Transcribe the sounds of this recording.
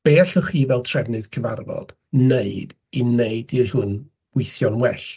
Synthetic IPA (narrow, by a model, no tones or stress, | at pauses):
b̥eːaɬɔχiːvɛlˠtʰrɛvnɨðkʰəva̰rvɔ̰d̥ | neɨd̥ | ineɨdirhʊn | wɪθjɔnwɛɬ